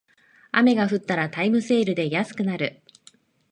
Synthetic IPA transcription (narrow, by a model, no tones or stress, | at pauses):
a̰me̞ɡaɸɯ̟t̪ːaɾat̪aimɯ̟se̞ːɾɯ̟d̪e̞jasɨ̥kɯ̟naɾɯ̟